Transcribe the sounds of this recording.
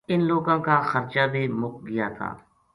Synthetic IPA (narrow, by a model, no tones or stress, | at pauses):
ɪnloːɡãːkaːxəɾt͡ʃaːbʱiːmʊkɡɪja̰ːt̪ʰa̰ː